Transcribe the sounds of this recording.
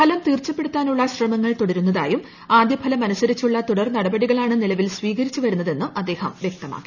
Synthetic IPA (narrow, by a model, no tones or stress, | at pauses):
pʰɐlɐmt̪iːrt͡ɕːɐpːeɽut̪ːaːnuɭːɐɕrɐmɐŋːɐɭt̪oɽɐɾunːɐða̰ːjum | aːd̪jɐpʰɐlɐmɐnɐsɐɾit͡ɕːuɭːɐt̪uɽɐrnɐɽɐbɐɽiɣɐɭaːɳɨnilɐʋilsʋiːɣɐɾit͡ɕːuʋɐɾunːɐðe̞nːɨʔɐd̪ːe̞ːhɐ̰mʋjek̚t̪ɐma̰ːkːi̥